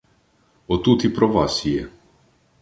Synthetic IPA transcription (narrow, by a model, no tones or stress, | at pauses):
ɔt̪ut̪ipɾɔvasijɛ